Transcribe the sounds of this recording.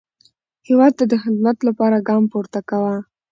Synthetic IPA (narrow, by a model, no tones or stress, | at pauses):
hewɑd̪̚t̪ad̪əxɪd̪mat̪lapɑɾaɡɑmpuɾt̪akawa